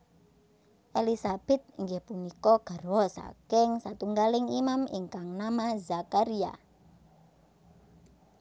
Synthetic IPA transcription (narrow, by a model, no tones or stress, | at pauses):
ʔelisab̥ɛ̤t̪̚ŋɡepunikɔɡ̥a̤ɾwɔsa̰kɪŋsat̪uŋɡalɪŋimamḭŋkaŋnamazakaɾia̰